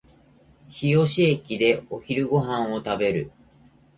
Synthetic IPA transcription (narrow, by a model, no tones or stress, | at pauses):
çijo̞ɕiekʲid̪e̞oçiɾɯ̟ɡo̞ɦãɰ̃o̞t̪abe̞ɾɯ̟